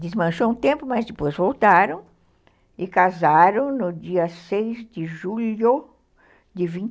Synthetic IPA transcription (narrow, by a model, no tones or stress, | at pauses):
d̪ɪzmɐ̃ʃoũt̪ẽmpʊmɐzd̪ɪpojzvowt̪aɾɐ̃w̃ | ɪkazaɾɐ̃w̃nʊd͡ʒiɐsejzd̪ɪʒuʎo | d̪ɪvĩn